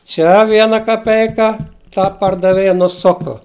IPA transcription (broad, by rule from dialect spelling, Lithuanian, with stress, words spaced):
ˈt͡ʃʲɛ ˈʋʲiɛnɐ kɐˈpʲɛɪkɐ ˈtɐ pɐrdɐˈʋʲeːjɛ nʊˈsʊkʊ